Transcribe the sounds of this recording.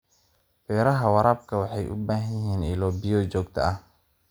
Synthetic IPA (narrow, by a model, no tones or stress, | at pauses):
fɛːɾɐɦɐwɑɾaːb̚kʰɐwɑħɑjʔʊ̰baːɦɐjɦiːnɪlɔːbɪjɔːt͡ʃɔːɡt̪ʰɐ̰ʔɐh